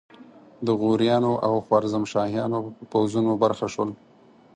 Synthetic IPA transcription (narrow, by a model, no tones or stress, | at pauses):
d̪əɣuɾjɑnoʔawxwaɾzamʃɑhjɑnopəpawzunobaɾxaʃwəl